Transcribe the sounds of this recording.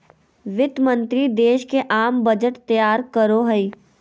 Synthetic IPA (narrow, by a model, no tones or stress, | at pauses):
ʋɪt̪mə̃nt̪ɾid̪eːʃkeʔaːmbɐd͡ʒəʈt̪ɐjaːɾkəɾoɦɐi